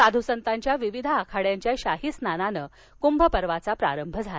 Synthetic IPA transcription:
sad̪ʱusənt̪aɲt͡ɕjaʋiʋid̪ʱaakʰaɽjaɲt͡ɕjaɕaɦisnananə | kumbʱəpəɾʋat͡sapɾa̰ɾəmbʱəd͡zʱala

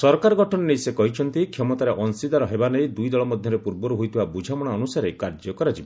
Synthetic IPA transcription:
sɔɾkaɾɔɡʱɔʈʰɔnɔnesekɔɦit͡ʃʰɔnt̪ikʰjɔmɔt̪aɾeʔɔnsid̪aɾɔɦebanejd̪ujd̪ɔɭɔmɔd̪ʱjɔɾepuɾbɔɾuɦujt̪ʰibabud͡ʒʱamɔɽ̃aɔnusaɾekaɾd͡ʒɔkɔɾad͡ʒibɔ

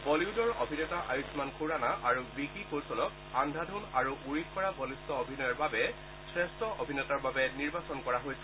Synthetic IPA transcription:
bɔliudɔɹobʱinɔtaʔajusmankʰuɹanaʔaɹubikikowsɔlɔk | andʱadʱunaɹuʔuɹip̚kɔɹabɔlistɔobʱinɔjɔɹbabɛ | sɹɛstʰɔʔobʱinɔtaɹbabɛniɹbasɔnkɔɹaɦojsɛ

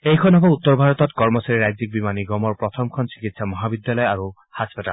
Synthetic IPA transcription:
ejkʰɔnɔbɔut̪ːɔɾbʱaɾɔt̪ɔtkɔɹmɔsaɾiɾajzik̚bimaniɡɔmɔɾpɹɔt̪ʰɔmkʰɔnsi̥kit̪samɔɦabid̪jalɔjaɾu | haspata̰l

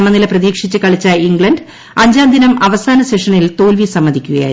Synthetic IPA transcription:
mːɐnilɐprɐðiːkʂit͡ɕːɨkɐɭit͡ɕːɐiŋɡɭɐɳɖ | ɐɲd͡ʑaːnd̪ʱinɐmɐʋɐsaːnɐseʂɐnilt̪o̞ːlʋisɐmːɐd̪ikʲːuɣɐja̰ː

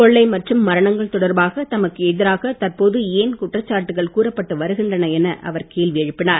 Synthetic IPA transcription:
kɔɭːɐɪmɐʈrɯmːɐɾɐɳɐŋɡɐɭt̪ɔɽɐɾbaːɣɐt̪ɐmɐkːɯɛðɪɾaːɣɐt̪ɐrpoːðɯeːnkʊʈrɐt͡ʃːaːʈːɯɣɐɭkuːrɐpːɐʈːɯʋɐɾɯɣɪndrɐnɐɛnɐʔʔɐ̰ʋɐɾkeːlʋɪɐɻɯpːɪnaːɾ

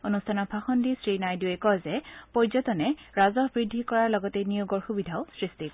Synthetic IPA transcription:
onustʰanɔpʰaxɔndisɹinajduɛkɔzɛpɔjzɔtɔnɛɹazɔɦbɹidʱːikɔɹaɹlɔɡɔtenijoɡɔɹxubidʱaʊsɹistik

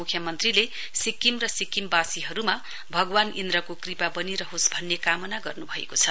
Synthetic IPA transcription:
ukʰjʌmʌnt̪rile | sikːimrʌsikimbasiɦʌɾuma | bʱʌɡwanind̪rʌkokripabʌniɾʌɦosbʱʌnːekamʌnaɡʌrnubʱʌḛkot͡sʰʌ

